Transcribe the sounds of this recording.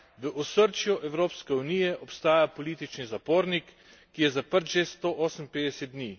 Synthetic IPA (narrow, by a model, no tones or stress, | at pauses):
ʋəʔɔsəɾt͡ʃjɔʔɛwɾoːpskɛunijɛʔɔpst̪aːjapɔliːt̪it͡ʃnizapoːɾnikː | ijɛzapəɾt̪ʒest̪oʔɔːsəmpeːd̪ɛsɛt̪̚d̪ni